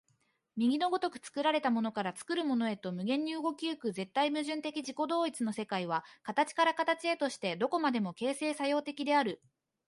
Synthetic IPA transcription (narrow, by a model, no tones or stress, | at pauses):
mʲiɡʲino̞ɡo̞t̪o̞kɯ̟̥t͡sɨ̥kɯ̟ɾaɾe̞t̪amo̞no̞kaɾat͡sɨ̥kɯ̟ɾɯ̟mo̞no̞e̞t̪o̞mɯ̟ɡẽ̞ɲ̟ːiɯ̟ɡo̞kʲiɯ̟kɯ̟ze̞t̪ːaimɯ̟ʑɨ̃nt̪e̞kʲiʑiko̞d̪o̞ːit͡sɨno̞se̞kaiβ̞akat̪at͡ɕi̥kaɾakat̪at͡ɕie̞t̪o̞ɕi̥t̪e̞d̪o̞ko̞mad̪e̞mo̞ke̞ːse̞ːsajo̞ːt̪e̞kʲid̪e̞aɾɯ̟